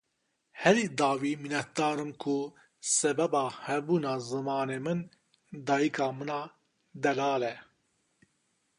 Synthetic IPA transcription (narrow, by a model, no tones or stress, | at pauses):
hɛɾiːd̪ɑːwiːminɛt̪̚d̪ɑːɾɨmkʰʊ | sɛbɛbɑːhɛbuːnɑːzɨmɑːneːmɨn | d̪ɑːjikʰɑːmɨnɑː | d̪ɛlɑːlɛ